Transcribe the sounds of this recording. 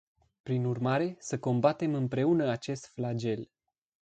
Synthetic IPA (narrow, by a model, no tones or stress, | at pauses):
pɾinurmaɾe̞səko̞mbat̪e̞mɨmpɾe̞unəat͡ʃe̞st̪flad͡ʒe̞l